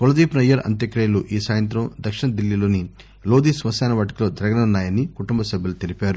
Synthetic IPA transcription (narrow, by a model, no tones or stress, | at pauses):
kolɐd̪iːpnɐjɐɾɐ̰nt̪jɐkɾɐjɐluʔiːsaːjɐnt̪ɾɐmd̪ɐkʂiɳɐd̪ilːiloːni | loːd̪isʋɐsaːnɐʋɐʈɐklod̪ɾɐɡɐnɐnːaːjɐnːikuʈumbɐsɐbʱjilut̪ilipaːɾu